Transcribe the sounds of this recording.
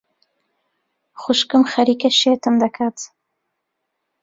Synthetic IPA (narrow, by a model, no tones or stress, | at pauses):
xʊʃkɨmxɐɾiːkɐʃeːt̪ɨmd̪ɐkʰaːt̪